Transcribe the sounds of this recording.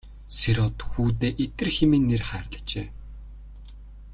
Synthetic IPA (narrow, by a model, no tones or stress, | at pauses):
seɾɔt̪xuːt̪eːʔet̪ɘ̆rxemeːnːerχæːrɮə̥̆t͡ɕeː